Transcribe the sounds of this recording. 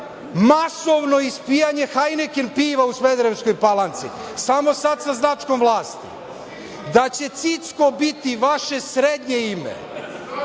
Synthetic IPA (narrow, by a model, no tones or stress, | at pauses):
masoʋno̞ispijaɲexajnekenpiːʋausmed̪ɾesko̞jpalˠant̪sḭsamo̞sad̪saznat͡ʂko̞mʋlˠaːst̪ḭ | d̪at͡ɕe̞t̪sit̪sko̞bit̪iʋaʃe̞sɾed̪ɲeimḛ